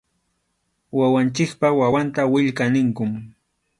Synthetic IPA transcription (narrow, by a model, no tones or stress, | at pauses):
wawant͡ʃɪkpawawant̪awɪʎkanɪŋkʊm